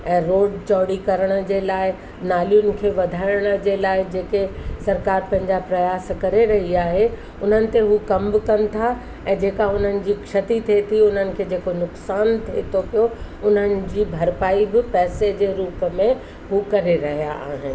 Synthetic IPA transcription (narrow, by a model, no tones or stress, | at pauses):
ɛ̃ːɾoːɖt͡ɕɔːɽikɐɾəɽ̃ə̆d͡ʑeːlaːɪ | naːlijʊnɪ̆kʰeːʋɐd̪ʱaːɪəɽ̃ə̆d͡ʑeːlaːɪd͡ʑeːkesɐɾkaːɾpɐ̃ɦɪ̃ɲd͡ʑapɾɐjaːskɐɾeɾɐɦiaːɦe | ʊn̤ənɪ̆t̪eɦukɐmbkɐnɪ̆t̪ʰa | ɛ̃ːd͡ʑeːkaʊn̤ənɪ̆d͡ʑiːkʃɐt̪it̪ʰet̪ʰiʊn̤ənɪ̆kʰeːd͡ʑeːkonʊksaːnt̪ʰeet̪ʰopijoʊn̤ənɪ̆d͡ʑiːbʱɐɾpaːibɪpɛːsed͡ʑeːɾuːpəmẽ | ɦukɐɾeɾɐɦijaʔa̰ːɦɪnɪ̆